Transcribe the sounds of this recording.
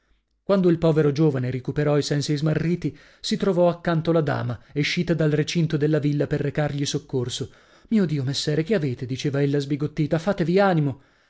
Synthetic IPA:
kwand̪oilpɔːveɾod͡ʒoːvaneɾekupeɾɔisɛnsiizmarːiːt̪i | sit̪ɾovɔakːant̪olad̪a̰ːmaeʃːiːt̪ad̪alret͡ʃint̪od̪elːavilːaperːekarʎisokːorso | miːod̪iːomesːɛːɾek̟eaveːt̪ed̪it͡ʃeːvaelːazbiɡot̪ːiːt̪afaːt̪eviaːnimo

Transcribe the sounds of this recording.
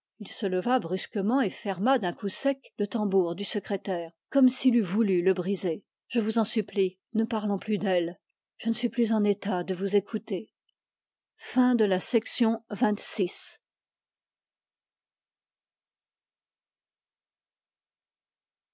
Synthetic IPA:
ilsələvabʁyskəmɑ̃efɛʁmad̪ɛ̃kusɛklət̪ɑ̃buʁd̪ysəkχet̪ɛːʁkɔmsilyvulyləbʁize | ʒ̥əvuzɑ̃sypli | nəpaʁlɔ̃plyd̪ɛl | ʒ̥ənəsɥiplyzɑ̃net̪ad̪əvuzekʰut̪e | fɛ̃d̪əlasɛksjɔ̃vɛ̃t̪sis

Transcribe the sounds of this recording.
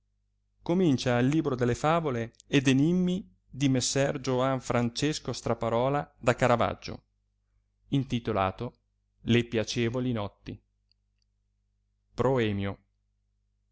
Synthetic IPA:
komint͡ʃailːiːbɾod̪elːefaːvoleːd̪enimːi | d̪imesːɛrd͡ʒoaɱfɾant͡ʃeskost̪ɾapaɾɔːlad̪akaɾava̰d͡ʒːo̰ | int̪it̪ola̰ːt̪o | lepjat͡ʃɛːvolinɔt̪ːi | pɾoɛːmjo

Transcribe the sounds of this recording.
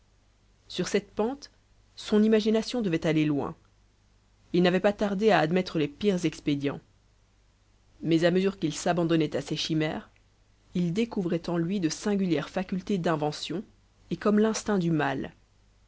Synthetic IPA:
syʁsɛt̪pɑ̃t̪ | sɔ̃nimaʒinasjɔ̃d̪əvɛt̪alelwɛ̰̃ | ilnavɛpat̪aʁd̪eaːd̪mɛt̪χəlepiʁzɛksped̪jɑ̰̃ | mɛzaməzyʁkilsabɑ̃d̪ɔnɛt̪aseʃimɛːʁ | ild̪ekuvʁɛt̪ɑ̃lɥid̪əsɛ̃ɡʲyljɛʁfakʲylt̪ed̪ɛ̃vɑ̃sjɔ̃ | ekɔmlɛ̃st̪ɛ̃d̪ymal

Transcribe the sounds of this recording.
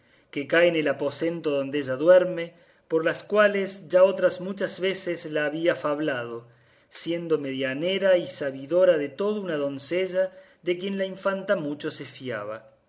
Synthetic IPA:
kekaeene̞lapo̞se̞nt̪oðo̞nd̪eeʒaðweɾme̞ | po̞ɾlaskwalesʒao̞t̪ɾazmut͡ʃazβe̞sezlaːβiafaβlað̞o̞ | sje̞nd̪o̞meðjane̞ɾaisaβiðo̞ɾaðe̞t̪o̞ð̞ounaðo̞nseʒa | ðekje̞nlaiɱfant̪amut͡ʃo̞sefja̰β̞a

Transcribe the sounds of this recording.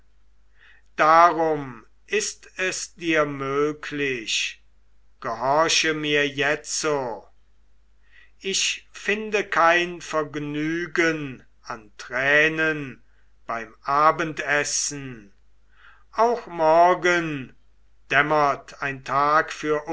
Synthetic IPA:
d̥aːʁʊm | ʔɪstɛsd̥iːɐmøːkʰlɪʃ | ɡ̥əhɔɐʃəmiːɐjɛt͡so | ʔɪʃfɪndəkʰaɪnfɛɐɡnyːɡən | antʁɛːnən | b̥aɪmʔaːbəntɛsn̩ | ʔaʊxmɔɐɡən | d̥ɛmɐtʰaɪntʰaːkfyːɐʔ

